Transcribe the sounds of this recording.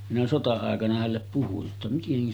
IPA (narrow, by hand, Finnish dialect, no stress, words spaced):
minæ sotɑɑˑekɑnɑ hælːep puhuj jotːɑ miteŋkæ